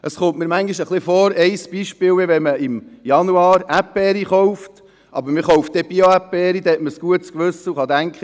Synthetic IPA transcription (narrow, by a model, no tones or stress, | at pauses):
ʔəsχʊmtmɪːɾmæŋɡiʃəχlɪfɔːɾɛɪsb̥iʃpɪːlɪʋɛməɪmjɑnuɑːɾæpːɛɾiχɔʊft | ʔɑ̰bəɾmɪχoʊft̚d̥̪ɛb̥ioæpːɛɾid̥̪ɛɛtməskuətskʋɵsːəuχɑd̪æŋkχə